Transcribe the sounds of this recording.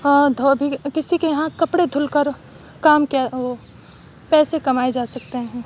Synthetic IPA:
ɔd̪ʱobʱikɪsikeɦãkɐpɽed̪ʱʊlkəɾ | kaːmkeo | pɛːsekɐmaːed͡ʒaːsɐk̚t̪eɦɛ̃ː

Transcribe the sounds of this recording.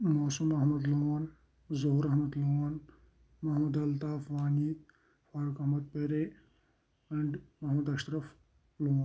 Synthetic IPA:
moːsumɐɦmɐd̪loːn | zoɦuɾɐɦmɐd̪loːn | mɐɦmɐd̪ɐlt̪aːfʋaːniː | faːɾukɐɦmɐd̪̚peɾe | ɐɳɖmɐɦmɐd̪ɐʃɾɐf | loːn

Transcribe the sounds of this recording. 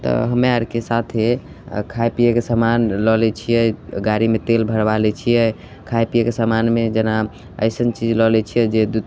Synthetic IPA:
t̪ɔ̰ɦəmeaɾkesat̪ʰe | kʰajpijekesamanlɔlɛt͡ʃʰijɛɡaɾimet̪elbʱəɾbalɛt͡ʃʰijɛ | kʰajpijekesamanmed͡ʒəna | ə̰ɪsənt͡ʃid͡ʒlɔlɛt͡ʃʰijɛd͡ʒed̪u

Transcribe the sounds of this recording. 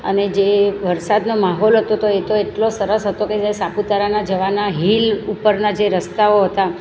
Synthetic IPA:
ə̰ned͡ʒeʋəɾsad̪nomaɦolɦət̪ot̪oet̪oeʈlosəɾəsɦət̪oked͡ʒaesaput̪aɾanad͡ʒəʋanaɦilupəɾnad͡ʒeɾəst̪aoɦət̪a

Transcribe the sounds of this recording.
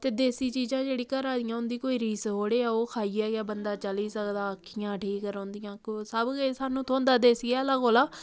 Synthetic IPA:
t̪eːd̪eːsiːt͡ʃiːd͡ʒãːd͡ʒeːɽiːkəɾaːd̪ɪjãːʊnd̪iːkoːiːɾiːsɦoːɽeːaːoːkʰaːijaːɡaːbənd̪aːt͡ʃəliːsəkd̪aːəkʰːɪjãːʈʰiːkːəɾõːnd̪ijãːksəbɡesaːnũːt̪ʰõːnd̪aːd̪eːsɡaːlaːɡoːlaː

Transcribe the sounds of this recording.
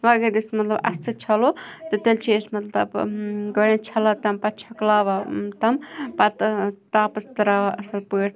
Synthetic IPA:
ʋaːɡeɾd̪ismɐt̪lɐbɐ̰st̪ɨt͡ʃʰɐlot̪ɨt̪elt͡ʃʰiesmɐt̪lɐbɡɐɽẽt͡ʃʰɐlat̪ɐmpɐt̪̚t͡ʃʰɐklaʋat̪ɐmpɐt̪t̪aːpɐst̪ɐɾaːʔɐsɐlpəːʈʰ

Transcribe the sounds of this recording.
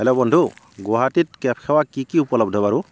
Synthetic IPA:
ɛlɔbɔndʱu | ɡɔɦatit̚kɛp̚ʰkʰɛwakikiupɔlɔb̚dʱɔbaɹu

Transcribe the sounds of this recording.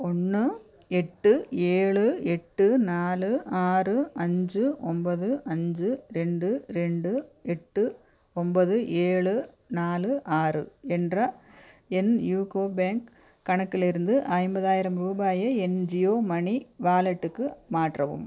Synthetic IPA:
ɔnːɯ | ɛʈːɯeːɭɯɛʈːɯnaːlɯaːrɯɐɲd͡ʒɯʔɔmbɐðɯʔɐɲd͡ʒɯɾɛɳɖɯɾɛɳɖɯɛʈːɯ | ɔmbɐðɯʔeːɭɯ | naːlɯʔaːrɯ̰ɛndrɐ | ɛnjuːkoːbeːŋk | kːɐɳɐkːɪlɪɾɯnd̪ɯʔaːɪmbɐðaːjɪɾɐmɾuːbaːjɐɛnd͡ʒɪjoːmɐɳiʋaːlɐʈːɯkːɯmaːʈrɐʋɯ̰m

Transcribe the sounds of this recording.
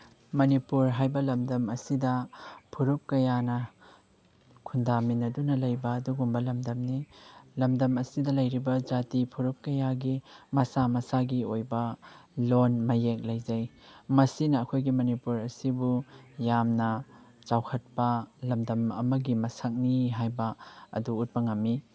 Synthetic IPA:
mɐnipuɾɦajbɐlɐmdɐmɐsidɐpʰuɾup̚kɐjanɐ | kʰundaminɐdunɐlɐjbɐːduɡumbɐlɐmdɐmnilɐmdɐmɐsidɐlɐjɾibɐd͡ʒatipʰuɾup̚kɐjaɡimɐsamɐsaɡiojbɐlonmɐjek̚lɐjzɐjmɐsinɐːkʰojɡimɐnipuɾɐsibujamnɐ | t͡ʃawkʰɐt̚pɐlɐmdɐmɐ̰mɐɡimɐsak̚niɦajbɐɐ̰duːt̚pɐŋɐmːi

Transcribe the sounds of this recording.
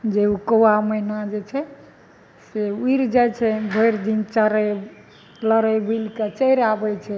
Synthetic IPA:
d͡ʒeukəwaməinad͡ʒet͡ʃʰɛ | seuiɾd͡ʒajt͡ʃʰɛbʱəjɾd̪int͡ʃəɾɛ | ləɾɛjbulket͡ʃəjɾabɛt͡ʃʰɛ

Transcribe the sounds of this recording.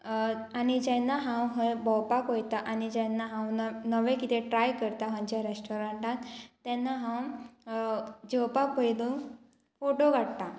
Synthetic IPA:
anid͡ʑɛ̃nːaɦãwɦbɔwpakojt̪aʔanid͡ʑɛnːaɦãwnəʋɛ̃kit̪ʰɛʈɾajkəɾt̪aɦãɲt͡ɕaɾesʈɔɾãɳʈãt̪ːɛ̃nːaɦãw | d͡ʑɔwpapəjlũ | foʈoɡʱaɽt̪a

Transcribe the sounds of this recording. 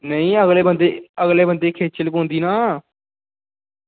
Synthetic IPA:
nəĩːəɣleːbənd̪eːəɣleːbənd̪eːkʰeːt͡ʃʰəlkõnd̪iːnaː

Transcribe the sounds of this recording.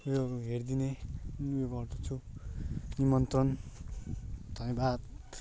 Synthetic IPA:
joɦerd̪inenujeɡʌrd̪ʌt͡sʰu | nimʌnt̪ʌn | d̪ʱʌnjebad̪̚

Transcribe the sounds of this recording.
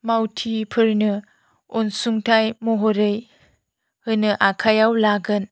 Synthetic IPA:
mawtʰipʰɯɾnɯ | onsuŋtʰajmoɦoɾɯj | hɯnɯʔakʰajawlaɡɯn

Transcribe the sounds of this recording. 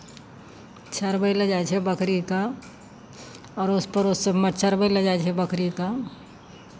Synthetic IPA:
t͡ʃʰaɾbəiləd͡ʒaːjt͡ʃʰɛbəkɾika | ɔːɾʊspəɾʊsːemət͡ʃʰəɾbəiləd͡ʒajt͡ʃʰɛbəkʰɾika

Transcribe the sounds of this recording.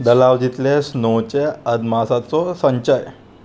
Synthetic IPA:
d̪əlaʋd͡ʑit̪lesnot͡ɕeəd̪masat͡sɔsəɲt͡ɕəj

